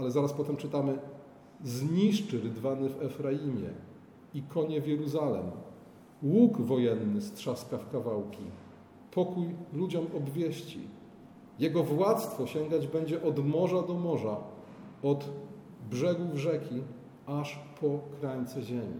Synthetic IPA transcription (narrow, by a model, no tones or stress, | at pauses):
alɛzaɾaspɔt̪ɛmt͡ʂɘt̪amɘ | zɲiʂt͡ʂɘɾɘd̪vanɘvɛfɾajimʲjɛ̰ | ikɔɲɛvʲjɛɾuzalɛ̰m | wuɡvɔjɛnːɘst̪ʂaskafkavawkʲi | pɔkujlud͡ʑɔmɔbvʲjeɕt͡ɕḭ | jɛɡɔvwat̪st̪fɔɕɛŋɡad͡ʑbɛɲd͡ʑɛʔɔd̪mɔʐad̪ɔmɔʐa | ɔd̪ | bʐɛɡuvʐɛkʲi | aʂpʰɔkɾaɲt̪sɛʑemʲḭ